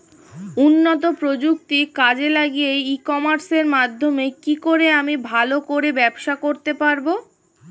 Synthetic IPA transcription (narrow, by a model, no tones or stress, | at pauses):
unːot̪̬opɾod͡ʑuk̚t̪ikad͡ʑelaɡijeikɔmaɾseɾmad̪ʱːomekikoɾeamibʱalokoɾebɛbʃakoɾt̪epaɾbo